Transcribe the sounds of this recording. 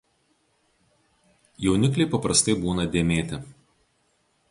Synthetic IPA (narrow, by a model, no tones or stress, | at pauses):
jɛʊnʲɪklʲɛɪpɐpɾɐst̪ɐɪbuːnɐd̪ʲeːmʲeːt̪ʲɪ